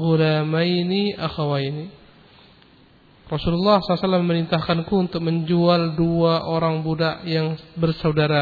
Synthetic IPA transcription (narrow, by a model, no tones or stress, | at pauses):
ɣulamajniʔaxawajni | rɔsululːɑhsɔlasalːamməɾint̪ahkankuunt̪ʊk̚məɲd͡ʒualduaʔoɾaŋbudaʔjaŋbərsaudaɾa